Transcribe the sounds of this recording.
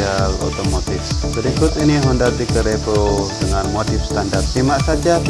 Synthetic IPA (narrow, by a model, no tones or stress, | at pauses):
alo̰t̪omot̪ɪfbəɾikʊt̪iniɦundard̪ikəɾepodəŋanmot̪ɪfst̪andart̪̚simaʔsad͡ʒa